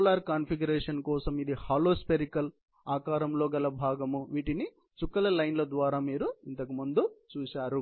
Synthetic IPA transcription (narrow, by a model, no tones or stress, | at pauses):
laːɾkaːnpʰiɡɐɾeːʂɐnkɔːsɐmid̪ihaːloːspeɾikɐl | aːkaːɾɐmlo̞ːɡɐlɐbʱaːɡɐmuʋiːʈini | t͡ʃukːɐlɐlɐjnlɐd̪ʋaːɾaːmiːɾuint̪ɐk̬umund̪ut͡ʃuːʃaːɾu